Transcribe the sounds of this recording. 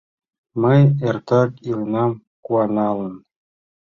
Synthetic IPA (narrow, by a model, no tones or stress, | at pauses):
mɤjert̪ɑkilˠnɑm | kuɑnɑlˠə̆n